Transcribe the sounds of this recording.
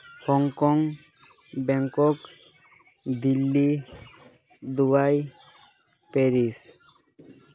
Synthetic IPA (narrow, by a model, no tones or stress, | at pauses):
hɔŋkɔŋ | bɛŋkɔk | d̪ilːi | d̪ubaj | peɾis